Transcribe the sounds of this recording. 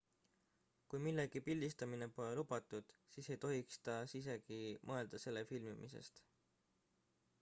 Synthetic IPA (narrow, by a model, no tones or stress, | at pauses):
kujmilːe̞ɡ̥ipilʲd̪̥ist̪ɑmine̞po̞le̞lub̥ɑt̪ːˑud̪̥siːse̞jt̪o̞ɦikst̪ɑsis̬e̞ɡ̥imʔɤe̞ld̪̥ɑse̞lːe̞filmimʔisḛst̪